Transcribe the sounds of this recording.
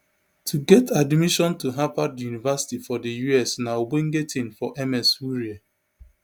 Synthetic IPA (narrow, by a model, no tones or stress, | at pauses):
tʰuɡɛtʰadmiʃɔ̃ntuɦapadjunivasi̥tifɔdəjuɛsnaobẽŋɡetʰĩnfɔʔɛmɛsuɹia